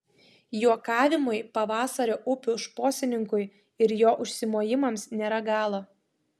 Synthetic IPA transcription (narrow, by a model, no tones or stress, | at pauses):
juɔkɑːʋʲɪmʊjpɐʋɑːsɐɾʲoːʔʊpʲʊʃpoːsʲɪnʲɪŋkʊɪ | ɪɾjoːʔʊʃʲsʲɪmoːjɪmɐmsnʲeːɾɐɡɑːlˠo